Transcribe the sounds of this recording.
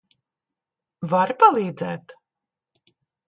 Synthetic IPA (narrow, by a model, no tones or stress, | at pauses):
vaɾpalˠiːd̪zɛːt̪